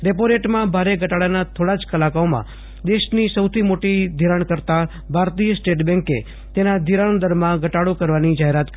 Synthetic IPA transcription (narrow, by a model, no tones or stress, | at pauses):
ɾepoɾeʈmãbʱaɾeɡəʈaɭanat̪ʰoɽad͡ʒkəlakaomã̰ | d̪eʃnisəwt̪ʰimoʈid̪ʱiɾəɳkəɾt̪a | bʱaɾt̪ijəsʈeʈbɛ̃ŋkḛ | t̪enad̪ʱiɾəɳd̪əɾmãɡʱəʈaɽukəɾʋanid͡ʒaɦeɾat̪k